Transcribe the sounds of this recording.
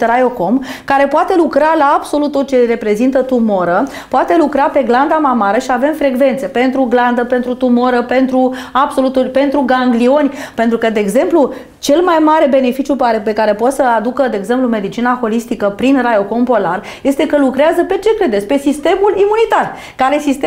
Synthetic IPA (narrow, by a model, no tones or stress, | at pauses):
t̪ɾajo̞ko̞mkaɾe̞poat̪e̞lukɾalaːbso̞lut̪ːot̪̚t͡ʃe̞re̞pɾe̞zint̪ət̪umo̞ɾə | poat̪e̞lukɾape̞ɡland̪amamaɾəʃiave̞mfɾe̞ɡve̞nt̪se̞pe̞nt̪ɾuɡland̪əpe̞nt̪ɾut̪umo̞ɾəpe̞nt̪ɾuab̥so̞lut̪ulʲpe̞nt̪ɾuɡaŋɡlio̞nʲpe̞nt̪ɾukəd̪e̞ːɡze̞mplu | t͡ʃe̞lmajmaɾe̞be̞ne̞fit͡ʃjupaɾepe̞kaɾe̞pot̪səad̪ukəd̪e̞eːɡze̞mplume̞d̪it͡ʃinaxo̞list̪ikəpɾinrajo̞ko̞mpo̞lar | je̞st̪e̞kəlukɾeazəpe̞t͡ʃe̞kɾe̞d̪et̪sʲpe̞sist̪e̞mulimunit̪ar | kaɾesist̪e